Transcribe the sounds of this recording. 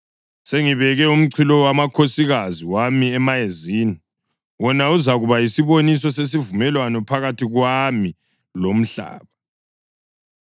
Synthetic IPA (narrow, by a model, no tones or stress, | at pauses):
seŋiβɛɣɛum̩ǀʰilɔwamakʰosiɣaziwamiɛmajeziːni | wɔnauzaɣuβajisiβonis̬ɔses̬ivumɛlwanɔpʰaɣatʰiɣwami | lom̩ɬa̰ːβa